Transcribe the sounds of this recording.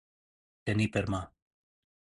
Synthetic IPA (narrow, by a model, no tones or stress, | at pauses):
t̪enipeɾma